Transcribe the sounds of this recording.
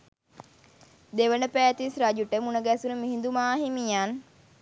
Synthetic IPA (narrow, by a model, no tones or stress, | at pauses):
d̪eʋənəpæːt̪isɾad͡ʒuʈəmunəɡæsunəmiɦind̪umaːɦimijan